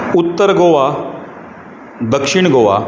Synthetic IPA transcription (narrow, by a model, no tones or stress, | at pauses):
ut̪ːəɾɡoʋa | d̪əkʂiɳ̃ɡoʋa̰